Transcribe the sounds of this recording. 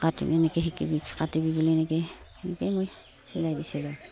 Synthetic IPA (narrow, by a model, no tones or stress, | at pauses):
katḭnenekeɦikḭbikkatibibileneke | nekemoj | silajdiselo